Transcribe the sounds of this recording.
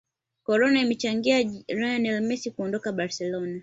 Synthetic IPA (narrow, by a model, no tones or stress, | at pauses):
kɔɾɔnaimɛt͡ʃaŋɡiaɾaanɛlmɛsikuɔndɔkaɓaɾsɛlɔna